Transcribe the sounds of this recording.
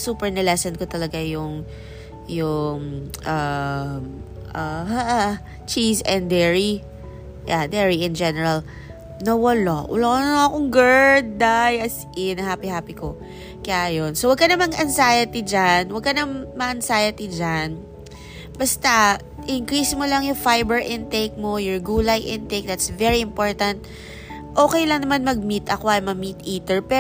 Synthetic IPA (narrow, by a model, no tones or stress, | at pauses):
suːpɛɹnɛlɛsɛnkot̪ɐlɐɡajʊŋ | jʊŋʔam | ʔahaʔ | t͡ʃisɛnd̪ɛɹi | jad̪ɛɹiɪnd͡ʒɛnɛɹɐl | nɐwɐlawɐ̰lanɐɐkoŋɡɛɹd̪̚d̪ajʔɐs | ɪnɐɦaːpihaːpiko | kɐjaːjonsowɐɡ̚kɐnɐmaŋʔɐnsaːjɐt̪id͡ʒanwɐɡ̚kɐnɐmmɐʔɐnsajɐt̪id͡ʒan | bɐst̪ɐ | ʔɪŋkɾiːsmolɐŋjʊŋfajbɛɹʔɪnt̪ejk̚mojʊɹɡuːlɐjʔɪnt̪ejk̚d̪at̪svɛɹiɪmpo̞ɹt̪ɐnt̪̚ | ʔoːkɛjlɐŋnɐmanmɐɡ̚mit̪ʔɐkoʔɐjmɐmit̪ʔiːt̪ɛɹpɛ